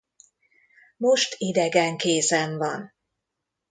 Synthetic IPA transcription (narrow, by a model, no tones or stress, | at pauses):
mo̞ʃt̪id̪ɛɡɛŋkeːzɛɱvɒn